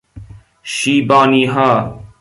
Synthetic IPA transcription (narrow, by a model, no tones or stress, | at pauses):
ʃiːbaːniːɦaː